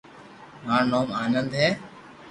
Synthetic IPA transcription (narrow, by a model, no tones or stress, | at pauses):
ɦãːɳnoːmaːnənd̪ɦɛː